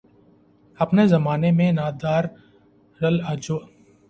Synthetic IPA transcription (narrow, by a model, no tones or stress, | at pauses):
ɐpnezɐmaːnemẽnaːd̪aːɾ | ɾɐlɐd͡ʒo